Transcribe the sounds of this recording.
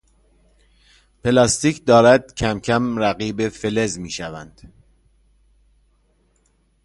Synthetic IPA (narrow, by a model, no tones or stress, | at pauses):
pʰe̞lɒːst̪iːcd̪ɒːɾæd̪̥̚cʰæmcʰæmɾæɣiːbe̞fe̞le̞zmiːʃævænd̪̥